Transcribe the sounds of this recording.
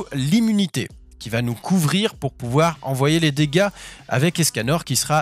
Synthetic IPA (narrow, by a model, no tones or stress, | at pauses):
limynit̪ḛ | kʲivanukʰuvʁiʁpuʁpuvwaʁɑ̃vwajeled̪eɡaa̰vɛklɛskanɔʁkʲisəʁa